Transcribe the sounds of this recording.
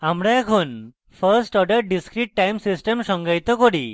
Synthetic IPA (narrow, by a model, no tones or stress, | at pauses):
amɽãakʰon | pʰəɾsʈɔɖəɾɖiskɾiʈːajmsisʈəmɕɔŋɡajt̪ɔkɔɽi